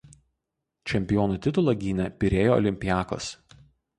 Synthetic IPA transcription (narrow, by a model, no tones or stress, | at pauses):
t͡ʃʲɛmʲpʲɪjɔːnuːˑt̪ʲɪt̪ʊlˠɐˑɡʲiːnʲɛpʲɪɾʲeːjoːɔ̰lʲɪmʲpʲɪjæːko̰ːs